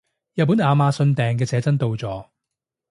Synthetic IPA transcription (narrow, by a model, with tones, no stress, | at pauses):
jɐ˨t̚pːu˨˥naː˨˧maː˧sɵ˧nt̪ɛː˨ŋk̬ɛː˧t͡sɛː˨˥t͡sɐ˥nt̪o˧wt͡sɔː˨˧